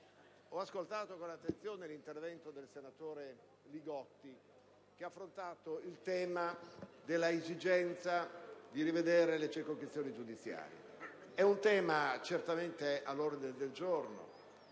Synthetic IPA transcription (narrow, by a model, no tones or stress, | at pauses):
ɔaskolt̪aːt̪okonat̪ːent̪sjoːnelint̪ervɛnt̪od̪elsenat̪oːɾe | liɡɔt̪ːi | k̟eaːfːɾont̪aːt̪oilt̪ɛːmad̪elːaezid͡ʒɛnt̪sad̪iɾived̪eːɾelet͡ʃirkoŋkɾist̪joːnid͡ʒud̪it̪sja̰ːɾj̰ḛɛunt̪ɛːmat͡ʃert̪ament̪eʔalːoɾd̪dined̪eld͡ʒorno̰